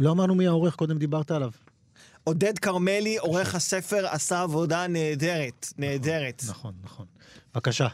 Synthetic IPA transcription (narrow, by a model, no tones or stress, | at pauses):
loamaʁnumiaoʁe̞χko̞d̪emd̪ibaʁt̪aːlav | o̞d̪e̞d̪kaʁme̞lio̞ʁe̞χhase̞fe̞ʁasaːvo̞daneːdeʁet̪neːde̞ʁet̪naχo̞nːaχo̞nvakaʃa